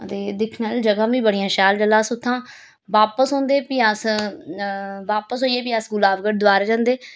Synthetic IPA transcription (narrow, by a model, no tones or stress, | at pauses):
ət̪eːd̪ɪkʰnaːld͡ʒəɡãːʋĩːbəɽijãːʃaːld͡ʒəlːaːsʊt̪ʰːãː | ʋaːpəsɦõːnd̪eːpiːəs | ʋaːpəsɦoːieːpiːəsɡʊlaːʋɡəʈ̚d̪ʊaːɾaːd͡ʒãːnd̪eː